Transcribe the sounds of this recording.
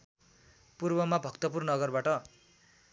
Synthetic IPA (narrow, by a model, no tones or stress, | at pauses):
purbʌmabʱʌkt̪ʌp̬urnʌɡʌrbaʈʌ